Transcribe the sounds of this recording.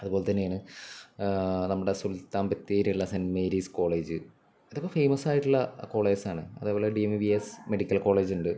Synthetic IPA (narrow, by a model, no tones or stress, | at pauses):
ɐðuboːlet̪ɐnːejaːɳɨ | nɐmːuɽesult̪ːaːmbɐt̪ːeːɾiɭːɐsenmeːɾiːsko̞ːɭe̞ːd͡ʑɨ | iðo̞kːe̞fejmɐsaːjiʈːuɭːɐko̞ːɭe̞ːd͡ʑsaːɳɨɐ̰ðeːboːleɖiemibiesmeɽikʲːɐlko̞ːɭe̞ːd͡ʑuɳɖɨ